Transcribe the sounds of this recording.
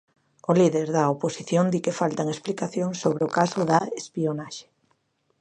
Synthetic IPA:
ʊliðeɾðɐoposiθjond̪ikɪfalt̪aŋesplikaθjoŋsːoβɾeokasʊðɐespionaʃe̥

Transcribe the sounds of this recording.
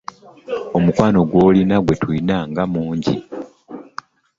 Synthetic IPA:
o̞mukwaːno̞ɡwoːlinaɡwe̞twuinaŋɡamuːɲɟḭ

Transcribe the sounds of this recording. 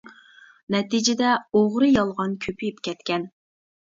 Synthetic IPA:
nɛt̪id͡ʒɪd̪ɛoʁɾɨjɑlˠʁɑnkʲʰøpʰyjypkʲɛt̪kʲʰɛn

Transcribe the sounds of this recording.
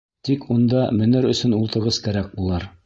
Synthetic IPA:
t̪ikʰund̪ɑmɵ̆nɘɾɵ̆sɵnulˠt̪ɤ̆ɾʁɤskæɾæk̚bulˠɑɾ

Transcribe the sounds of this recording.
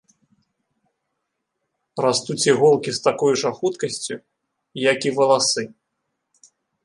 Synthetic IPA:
rast̪ut͡sʲiɣɔlˠkʲist̪akɔjuʐɐxut̪kɐsʲt͡sʲu | jakivɐlˠasɨ

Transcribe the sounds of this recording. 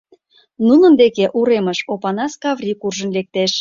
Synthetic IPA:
nunə̆nd̪ekeʔuɾeməʃopɑnɑskɑvrʲikurʒənlek̚t̪eʃ

